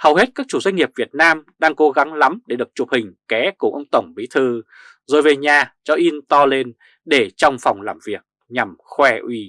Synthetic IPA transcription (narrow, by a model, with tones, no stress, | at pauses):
hə˨˩whe˦˥t̚kaː˦˥k̚t͡ɕu˧˩zwa˧ŋ̟ŋi˨˩əp̚vi˨˩ət̚naː˧mɗaː˧ŋko˨˦ɣa˨˦ŋla˨˦mɗe˧˩ɗɨ˨˩ək̚t͡ɕu˨˩p̚hï˨˩ŋ̟kɛ˨˦ku˧˩ʔə̰˧wŋ͡mt̪ə˧˩wŋ͡mɓi˨˦t̪ʰɨ˧˩ | zo˨˩jve˨˩ɲaː˨˩t͡ɕɔ˧ʔi˧nt̪ɔ˧le˧n | ɗe˧˩t͡ɕɔ˧wŋ͡mfa˨˩wŋ͡mlaː˧˩mvi˨˩ək̚ | ɲa˨˩mxwɛ˧ʔwi˧